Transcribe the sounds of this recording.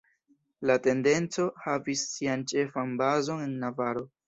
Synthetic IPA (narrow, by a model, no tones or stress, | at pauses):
late̞nde̞nt͡so̞havisːiant͡ʃe̞fanbazo̞ne̞nːavaɾo̞